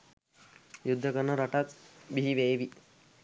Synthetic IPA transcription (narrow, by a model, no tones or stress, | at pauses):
jud̪ʱːɐkɐnɐɾɐʈɐt͡sbiɦiʋeːʋi